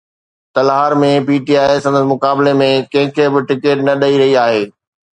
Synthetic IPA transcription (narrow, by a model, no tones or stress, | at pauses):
t̪ɐlɦaːɾmẽpiːʈiaːɪsɐ̃nd̪əsmʊkaːbɪlemẽkɐ̃ɦɪ̃kʰebɪʈɪkeːʈnɐɗɐiɾɐɦiaːɦeː